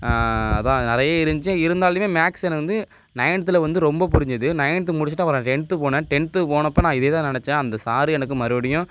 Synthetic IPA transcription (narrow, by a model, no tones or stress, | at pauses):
ɐðãːnɪɾɐjaːɪɾɯɲd͡ʒɪt͡ʃːẽɪɾɯnd̪aːlɯmeːmaːksɛnɐɐnd̪ɯ | nɐjɳɐt̪ːɯlɐʋɐnd̪ɯɾɔmbɐpʊɾɪɲd͡ʒɐðɯnɐjɳt̪ːɯmʊɽɪt͡ʃːɪʈːãʋɐɾɛ̃ʈɛɳt̪ːɯpoːnẽːʈɛɳt̪ɯpoːnɐpːoːnãːɪðeːt̪ãːnɪɳɛt͡ʃːɛ̃ːɐnd̪ɐsaːɾɯɛnɐk̬ːɯmɐɾɯʋɐɽɪjʊ̃